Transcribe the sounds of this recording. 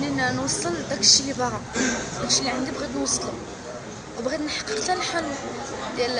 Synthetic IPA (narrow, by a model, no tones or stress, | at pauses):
ninnwɑsˤːəld̪ækʃilibɑɾɑd̪ækʃilːiʕand̪ibɣid̪nwɑsˤːlu | wbɣid̪nħɑ̥qːəq̪ælħalud̪jæl